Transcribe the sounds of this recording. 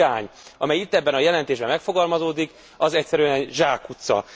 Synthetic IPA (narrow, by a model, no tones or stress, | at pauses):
aːɲɒmɛjit̪ːɛbːɛnɒjɛlɛnt̪eːʒbɛmɛkfo̞ɡɒlmɒzoːd̪ik | ɒzɛcsɛɾyɛnɛʒaːkːut̪sɒ̰